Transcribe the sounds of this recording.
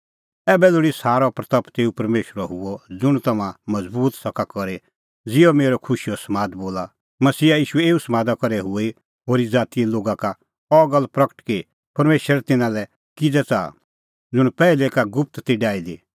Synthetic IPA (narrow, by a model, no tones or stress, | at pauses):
ɛːbɛlʊɽisaːɾɔpɾɐt̪ɐpt̪eːupɐɾmeːʃəɾɔɦʊɔd͡zʊɽ̃t̪ɐmãmɐd͡zbuːt̪sɐkakɔɾe | d͡zɪɔmeːɾɔkʰʊʃiɔsɐmaːd̪boːla | mɐsiːaiːʃuɛeːusɐmaːd̪akɔɾɛɦʊe | ɦoːɾid͡zaːt̪ieloːɡaka | ɔɡəlpɾɐkə̥ʈke | pɐɾmeːʃəɾt̪ɪnãlɛ | kɪd͡zɛt͡sa̰ː | d͡zʊɽ̃pɛːilekaɡʊp̚ʰt̪t̪iɖaːid̪i